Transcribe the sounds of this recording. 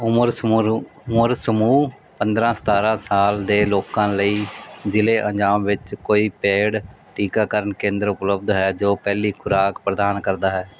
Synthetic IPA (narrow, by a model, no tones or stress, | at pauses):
ʊmɾ | məɾsəmuː | pənd̪ɾãːsət̪aːɾãːsaːld̪eːloːkãːləiːd͡ʒɪleːʔəd͡ʒaːmʋɪt͡ʃkoːiːpeːɽ | ʈiːkaːkəɾəɳkẽːnd̪ɾʊpləbd̪ɦɛːd͡ʒoːpɛːliːkʰʊɾaːkpɾəd̪aːnkəɾd̪aːɦɛː